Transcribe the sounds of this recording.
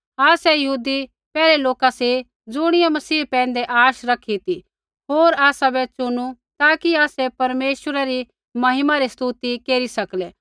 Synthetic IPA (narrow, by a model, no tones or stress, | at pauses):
aːsɛjɐɦuːd̪i | pɛːɾeloːkase | d͡zʊɽ̃ɪjamɐsiːpɛ̃ːnd̪eʔaːʃɾɐkʰit̪i | ɦoːɾaːsabɛt͡sʊñut̪aːkiaːsɛpɐɾmeːʃwəɾaɾi | mɐɦɪmaɾist̪uːt̪ikeːɾisɐkleː